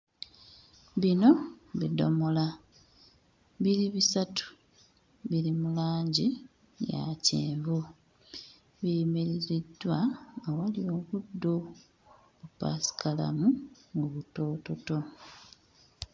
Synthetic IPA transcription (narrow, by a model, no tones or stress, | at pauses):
βino̞βido̞̰mo̞la | βiɾiβisatu̥ | βilimulaːɲɟi | ja̰ceːvu | βimiɾiɾidwaːwalio̞ːkudːo | βupa̰si̥kala̰muŋɡuβuto̞ːto̞to̞